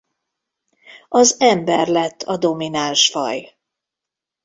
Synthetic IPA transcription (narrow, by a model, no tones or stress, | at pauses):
ɒzɛmbɛrlɛt̪ʰːɒd̪o̞minanʃfɒ̰j